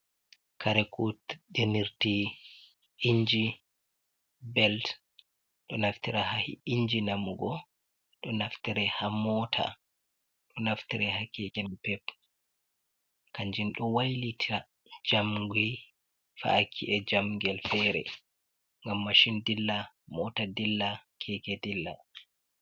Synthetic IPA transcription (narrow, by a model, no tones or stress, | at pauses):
kʰaɾɛkʰutɗeniɾti | ʔiɲd͡ʒi | bɛlt | ɗɔnaftiɾahahḭiɲd͡ʒinamuɡɔ | ɗɔnaftiɾɛhamɔtʰa̰ | ɗɔnaftiɾɛhakːɛkɛnpɛp | kaɲd͡ʒinɗɔwajlitʰiɾa | d͡ʒamɡi | fa̰ːkʰːiʔɛd͡ʒamŋɡɛlfɛɾɛ̰ | ŋɡamːaʃindilːa | mɔtadilːakʰɛkɛdilːa̰